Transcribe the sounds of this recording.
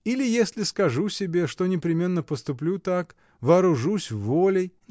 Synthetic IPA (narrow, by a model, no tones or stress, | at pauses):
ilʲɪjesʲlʲɪskɐʐusʲɪbʲe̞ʂt̪o̞nʲɪpɾʲɪmʲe̞nːəpəst̪ʊplʲut̪ak | vɐːɾʊʐusʲvːolʲɪj